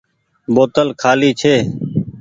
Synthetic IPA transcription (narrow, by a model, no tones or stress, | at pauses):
boːt̪əlkʰaːliːt͡ʃʰeː